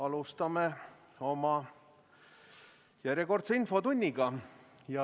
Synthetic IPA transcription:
ɑlust̪ɑme | o̞mɑ | jæɾʲjeko̞rt̪seinfo̞t̪unʲːiɡ̥ɑ | jɑ

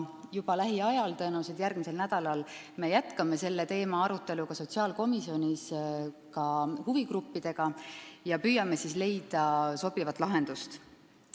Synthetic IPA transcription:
jub̥ɑlæɦiɑjɑlt̪ɤ̞ːnused̪̥jærɡ̥mise̞lnæd̪̥ɑlɑlme̞jæt̪ˑkɑme̞se̞lːe̞t̪e̞ːmɑɑɾut̪ːˑe̞lukɑso̞t̪ʲsiɑːlko̞misio̞nʲis | kɑhuviɡrupːid̪̥e̞ɡ̥ɑjɑpyːjɑme̞sisle̞jd̪̥ɑso̞b̥ivɑt̪ˑlɑɦe̞nd̪̥ust̪

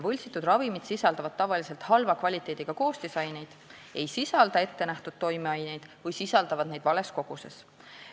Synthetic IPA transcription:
vɤlʲsit̪ːˑud̪rɑvimid̪̥sisɑld̪ɑvɑd̪̥̚t̪ɑvɑlise̞lt̪hɑlvɑkvɑlʲit̪ːˑe̞ːd̪̥iɡ̥ɑko̞ːst̪isɑjne̞jd̪̥ | e̞jsisɑld̪ɑe̞t̪ːe̞næht̪ud̪̥t̪o̞jmeɑjne̞jd̪̥vɤjsisɑld̪ɑvɑd̪̥̚ne̞jd̪vɑle̞sko̞ɡ̥uses

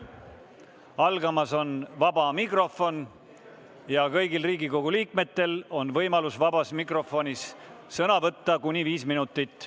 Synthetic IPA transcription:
ɑlɡ̥ɑmɑso̞nvɑb̥ɑmikro̞fo̞n | jɑkɤjɡilriːɡiko̞ɡ̥uliːk̚me̞t̪ːe̞lo̞nvɤjmɑlusvɑbɑsmikro̞fo̞nʲis | sɤnɑvɤt̪ːɑkunʲiviːsminut̪ːˑit̪ːˑ

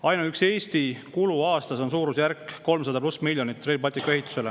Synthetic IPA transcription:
ɑjnɑykse̞ːst̪ikuluɑːst̪ɑso̞nsuːɾusjærkko̞lmsɑd̪ɑplusmilʲjonit̪ːˑrelbɑlt̪ːˑikːueɦit̪ːˑu̥se̞le

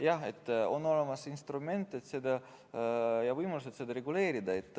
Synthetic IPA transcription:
jɑet̪ːˑo̞nːo̞lemɑsinst̪rume̞nt̪ːˑet̪se̞d̪ɑ | jɑvɯjmɑlus̬et̪se̞d̪ɑɾe̞ɡule̞ːɾid̪ɑe̞t̪ːˑ

